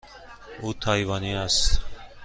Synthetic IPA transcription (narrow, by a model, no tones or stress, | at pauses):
ut̪ʰajvaniast̪